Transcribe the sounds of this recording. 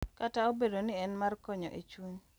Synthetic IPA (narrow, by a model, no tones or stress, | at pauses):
kataobedonɪɛnmarkɔɲɔ̰ʔet͡ʃwuɲ